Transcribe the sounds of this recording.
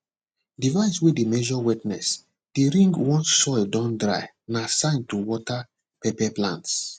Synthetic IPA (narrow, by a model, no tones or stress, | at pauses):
divaɪswedemɛʒɔwɛtnɛ̰s | d̥eɾĩŋɡwɔ̃nsɔɪldɔ̃ndɹa̰ɪ | nasãɪ̃ntuwɔta | pɛpɛplã̰nts